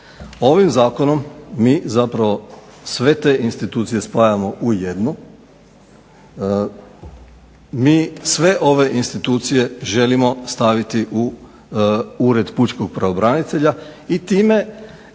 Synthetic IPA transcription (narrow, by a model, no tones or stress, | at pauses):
o̞ʋimzaːko̞no̞mːiːzapɾaʋo̞sʋe̞t̪e̞ʔinst̪it̪uːt̪sije̞spajamo̞ʔuje̞d̪nu | miːsʋe̞ʔo̞ʋe̞ʔinst̪it̪uːt̪sije̞ʒe̞limo̞st̪aʋit̪iʔu | uːɾe̞d̪put͡ʃkoɡ̥̚pɾaobɾanit̪e̞ʎait̪iːme̞